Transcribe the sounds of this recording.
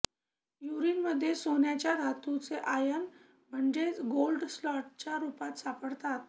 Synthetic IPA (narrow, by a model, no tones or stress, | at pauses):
juɾiːnməd̪ʱːjesonjat͡ɕjaɾʱat̪ut͡seʔajən | m̤əɳd͡ʑet͡sɡolɖslɔʈ̚t͡ɕjaɾupat̪sapəɽt̪at̪